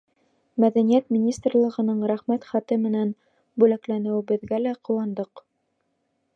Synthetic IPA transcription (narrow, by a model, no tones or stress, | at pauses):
mæðænijæt̪mʲinʲist̪rlˠɤ̆ʁɤ̆nɤɴɾæχmæt̪χæt̪ɘmɘ̆næn | bʉlæklænɘwɘ̆bɘ̆ðɡælæqʰŏwɑnd̪ɤq